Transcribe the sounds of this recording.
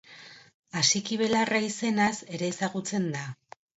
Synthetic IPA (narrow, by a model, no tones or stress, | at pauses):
asikiβ̞e̞laraise̞nase̞ɾe̞ːsaɣut͡se̞nd̪a